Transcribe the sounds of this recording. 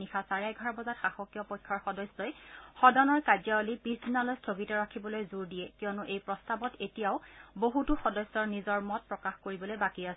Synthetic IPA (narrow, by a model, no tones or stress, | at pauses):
ixasaɹajɡʱɔɹabɔzatxaxɔkjɔpɔjkʰːɔɹxɔdɔjsɔjxɔdɔnɔɹkad͡ʒaɔlipisdinalojstʰoɡitɔɹakʰibɔlojzuɹdiɛkijɔnɔʔejpɹɔstabɔtetijaʊboɦutuxɔdɔjsːɔɹnizɔɹmɔt̚pɹɔkaxkoɹibɔlojbakias